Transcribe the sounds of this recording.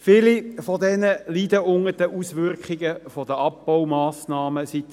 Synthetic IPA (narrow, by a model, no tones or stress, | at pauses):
fɪːlifɔd̪ɛnəlid̪əʊŋəd̥əʔusʋʏrkχiɡəfɔd̥əʔɑp̚b̥awmɑːsnɑːməsit